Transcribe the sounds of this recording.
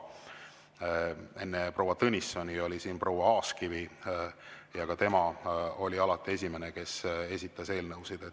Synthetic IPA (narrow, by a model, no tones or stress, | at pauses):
e̞nːepro̞wɑt̪ɤnʲisːonʲio̞lisiːnpro̞wɑɑːskivi | jɑkɑt̪e̞mɑo̞lʲiɑlɑt̪ːˑie̞s̬ʲime̞neke̞se̞sʲit̪ːˑɑse̞ːlnɤwsid̪̥e̞t̪ː